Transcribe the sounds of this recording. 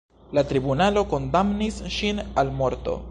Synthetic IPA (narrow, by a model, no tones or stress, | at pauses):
latɾibunalo̞ko̞ndamnisʃinalmo̞ɾto̞̰